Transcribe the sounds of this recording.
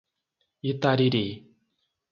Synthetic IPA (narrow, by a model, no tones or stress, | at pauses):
it̪aɾiɾi